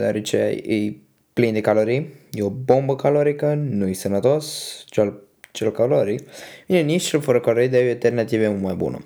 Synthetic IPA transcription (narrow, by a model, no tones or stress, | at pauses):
d̪aɾet͡ʃea̰j̰ɨj | plind̪ekaloɾijjeobombəkaloɾikənuijsənət̪ost͡ʃal | t͡ʃelkaloɾivinenit͡ʃt͡ʃelfəɾəkaloɾid̪eajalt̪ernat̪iveumajbṵnə̰